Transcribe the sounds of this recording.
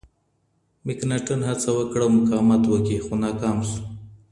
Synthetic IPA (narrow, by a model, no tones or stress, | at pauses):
mɪknaʈanɦat͡sawəkɽawmʊkɑmat̪wəkixonɑkɑmsu̥